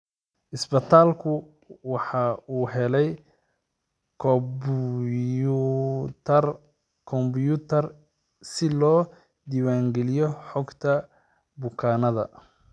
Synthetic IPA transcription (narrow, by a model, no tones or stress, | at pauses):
ʔɪsbɐt̪ʰaːlkʰʊ | wɑħɑuːɦɛlɛj | kʰb | t̪ʰɐr | kʰɔmbjut̪ʰɐr | sɪlɔː | d̪iːwaːŋɡɛlɪjɔħɔɡt̪ʰɐ | bʊkʰaːnɐðɐ̰